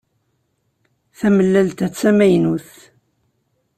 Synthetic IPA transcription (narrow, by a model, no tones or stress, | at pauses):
θæməlːælt̪æt͡sːæmæjnuθ